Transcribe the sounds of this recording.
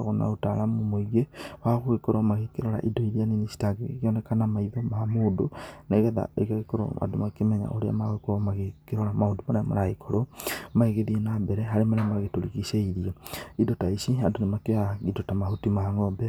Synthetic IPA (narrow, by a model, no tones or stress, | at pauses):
ɣona̰otaɾamomoiɣewaɣoɣekoɾomaɣekeɾoɾa̰ʔidoiɾianinesi̥taɡḛɣeɔnɛkanamaiðomamoːdoneɣɛða̰ḛɣaɣekoɾo̰a̰domakemɛɲa̰ʔoɾea̰maɣekoɾomaɣekeɾoɾamaodomanɛma̰ɾaɣekʰoɾomaeɣeðienabɛɾɛɦaɾemanɛmaɣetoɾiɣiseiɾiaidotaisiandonemakeaɣidotamahotimaŋɔːmbɛ